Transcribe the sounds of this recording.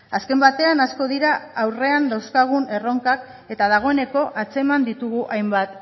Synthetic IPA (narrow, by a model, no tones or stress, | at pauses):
aske̞mbat̪e̞anasko̞ðiɾaawre̞and̪awskaɣ̞une̞ro̞ŋkak | e̞t̪að̞aɣ̞o̞e̞ne̞ko̞ʔat͡se̞mand̪it̪uɣuʔajmbat̪